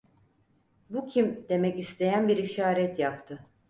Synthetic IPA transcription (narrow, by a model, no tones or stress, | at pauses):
bucʰimd̪̥e̞mɛcist̪ʰe̞jænbiɾiʃaːɾɛt̪japt̪ʰɯ